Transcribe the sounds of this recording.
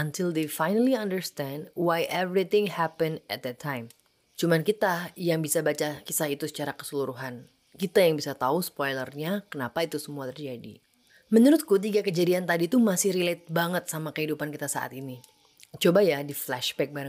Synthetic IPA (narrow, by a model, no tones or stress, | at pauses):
antʰɪld̪efajnəliandəɹst̪ɛ̃ndwajʔɛvɾit̪ɪ̃ŋhæpə̃nɛt̪̚d̪ɛtʰːajm | t͡ʃumankit̪ajaŋbisabat͡ʃakisahit̪usə̥t͡ʃaɾakə̥səluɾuɦan | kit̪ajaŋbisat̪ausə̥pɔjlərɲakənapait̪usəmuat̪ərd͡ʒadḭ | mənuɾʊt̪̚kut̪̬iɡakəd͡ʒadiant̪adit̪umasɪhɾilet̪̚baŋət̪̚samakəɦidupankit̪asa̰ʔa̰t̪ini | t͡ʃobajadiflɛʃbɛk̚baɾa